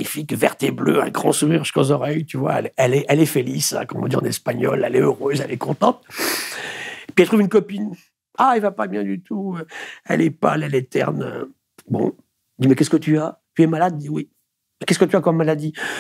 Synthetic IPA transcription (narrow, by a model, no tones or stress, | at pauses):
mɲifikvɛ̰ʁt̪ebløɛ̰̃ɡʁɑ̃suʁiʁʒi̥kɔzɔʁɛjt̪yvwa̰ɛ̰lɛɛlɛʔɛlɛfelisɛ̰̃kɔmɔ̰̃d̪iʁɑ̰̃nɛspaɲɔlɛ̰lɛøʁøzɛlɛkɔ̃t̪ɑ̃t̪ | epiɛlt̪χuvynkɔpin | aɛlvapabjɛ̃d̪yt̪ʰuøɛ̰lɛpa̰lɛlɛt̪ɛ̰ʁnø̰ | bɔ̰̃ | d̪imɛkɛskət̪yat̪yɛmalad̪d̪iwi | mɛkɛskət̪yakɔmːalad̪i